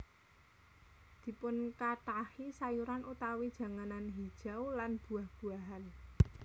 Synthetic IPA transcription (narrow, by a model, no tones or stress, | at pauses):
d̪̥i̤pʊnkaʈahisajuɾanut̪awid̥ʒ̥a̤ŋananɦid̥ʒ̥a̤wlanb̥ṳahb̥ṳaɦan